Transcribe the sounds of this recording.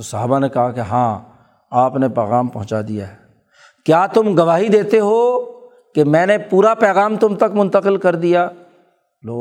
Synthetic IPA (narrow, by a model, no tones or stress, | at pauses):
osɐɦaːbanekɐɦakeɦãː | aːpnepɛːɣaːmpɐɦʊ̃t͡ʃad̪ijaɦɛː | kjaːt̪ʊmɡɐʋaːɦid̪eːt̪eɦo | kemɛ̃ːnepuːɾapɛːɣaːmt̪ʊmt̪ɐkmʊ̃nt̪əqɪlkɐɾd̪ijaː | loː